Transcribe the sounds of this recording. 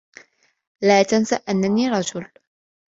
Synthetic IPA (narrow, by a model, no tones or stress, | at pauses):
laːt̪ansaʔanːaniːɾˤɑd͡ʒʊl